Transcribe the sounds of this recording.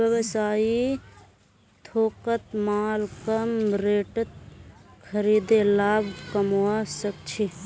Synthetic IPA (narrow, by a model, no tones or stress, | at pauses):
ʋəʋsaːi | t̪ʰoːkət̪maːlkəmɾeːʈət̪̚kʰəɾid̪elaːbʱkəmwasək̚t͡ʃʰi